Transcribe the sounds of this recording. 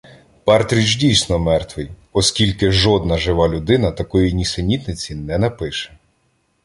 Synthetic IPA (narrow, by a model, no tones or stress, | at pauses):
pɑrt̪ɾʲit͡ʃdʲijsnɔmɛrt̪ʋɪj | ɔskʲilʲkɪʒɔd̪nɐʒɪʋɑlʲʊd̪ɪnɐt̪ɐkɔjinʲisenʲit̪nɪt͡sʲinɛnɐpɪʃɛ̥